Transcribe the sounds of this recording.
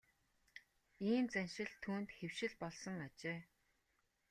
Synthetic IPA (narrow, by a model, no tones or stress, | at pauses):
iːnt͡sænʲʃɪ̆ɮt̪ʰːuːnt̪xewʃɪ̆ɮpɔɮsɞ̆ŋat͡ɕeː